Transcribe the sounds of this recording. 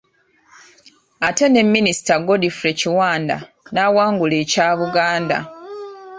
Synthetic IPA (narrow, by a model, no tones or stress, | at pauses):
ate̞ne̞mːinisi̥taɡo̞difuɾe̞ciwaːnda̰ | nawaːŋɡuleːcaːβuɡaːnda̰